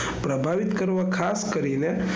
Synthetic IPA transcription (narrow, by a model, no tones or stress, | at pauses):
pɾəbʱaʋit̪kəɾʋakʰaskəɾine